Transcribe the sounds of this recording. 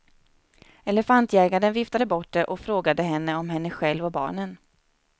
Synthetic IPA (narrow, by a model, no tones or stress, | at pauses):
ɛlɛfant̪jæːɡaɖənvɪft̪ad̪əbɔʈːd̪ɛʔɔkfɾoːɡad̪əɦɛnːəɔmɦɛnːəɧɛlvɔbɑ̰ːɳən